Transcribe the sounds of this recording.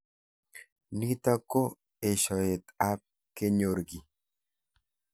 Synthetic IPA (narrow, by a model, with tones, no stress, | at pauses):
ni˦t̪a˦ko˦ | e˨ʃɔ˨e˨t̪a˦p̚ | ke˦ɲo˨ɾɡi˨